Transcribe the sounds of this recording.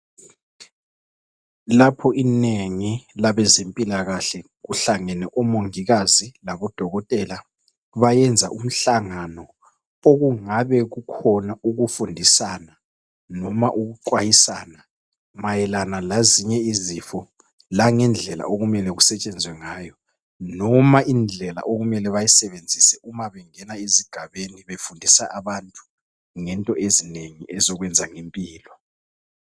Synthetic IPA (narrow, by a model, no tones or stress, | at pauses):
lapʰɔʔineŋilaβɛzempʼilaɣaɬɛ | ɣuɬaŋɛnɛʔɔmoŋiɣazilaβɔd̥ʱɔɣɔtʼɛːla | βajɛnd͡zʱaʔum̩ɬaŋanɔ | oɣuŋaβɛɣukʰɔnauɣufundʱisana | nɔmaʔuɣuǃwajisaːna | majɛlanalaziɲɛizifɔ | laŋɛnd͡ɮʱɛla̰ʔoɣumɛlɛɣusɛt͡ʃʼɛnd͡zʱwɛŋaːjɔ | nɔmaʔind͡ɮʱɛla̰ʔoɣumɛlɛβajisɛβend͡zʱisɛʔumaβɛŋɛnaeziɡ̥ʱaβeniβefundʱisaʔaβantʼu̥ | ŋɛntʼɔʔezineŋiʔɛzɔɣwɛnd͡zʱaŋempʼiːlɔ